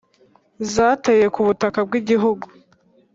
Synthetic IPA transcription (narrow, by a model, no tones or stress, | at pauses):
zaːtaje̞kuβutakabɡiɟiɦuɡu